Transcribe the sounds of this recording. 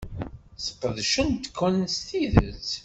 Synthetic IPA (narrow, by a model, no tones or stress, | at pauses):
sə̥qːəðʃənt̪ːkʰːənst̪iðə̰t͡s